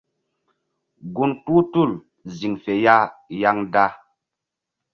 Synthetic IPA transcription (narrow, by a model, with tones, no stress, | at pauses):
ɡu˦nku˦tu˦˨l | zi˨ŋfe˨ja˦ja˦ŋda˦